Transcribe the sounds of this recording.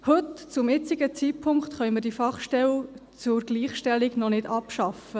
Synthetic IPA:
hɵtt͡sʊmjɪt͡siɡət͡siːtpʰʊŋkt̪χœʏməɾd̥ifɑχʃtɛlt͡sʊɾɡ̥liːχʃtɛliɡnɔnɪdɑpʃɑfə

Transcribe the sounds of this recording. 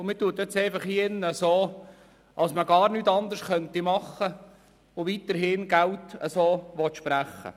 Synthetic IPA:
ʊmɪːtuət̪ɛt͡sɛɪfɑχiɪnːəəsoː | ʔɑlsməɡɑːɾnyːt̪ɑnd̪əskœnt̪imɑχːə | ʊʋit̪əɾɦɪnɡæltə̰soːʋɔt̪ʃpɾæχːə̰

